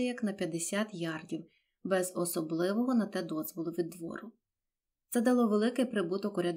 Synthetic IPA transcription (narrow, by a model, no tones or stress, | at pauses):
ɛjɐknɐpʲjɐd̪esʲɑt̪jɑrdʲiw | bɛzɔsɔblˠɪʋɔɦɔnɐt̪ɛd̪ɔzʋɔlˠʊʋʲid̪ːʋɔ̰ɾʊ | t̪sɛd̪ɐlˠɔʋelˠɪkɪpɾɪbut̪ɔkɔɾʲɐd̪